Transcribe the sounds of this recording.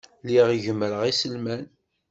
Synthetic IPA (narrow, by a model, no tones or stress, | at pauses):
liʁiʝəmːəɾəʁisəlmæn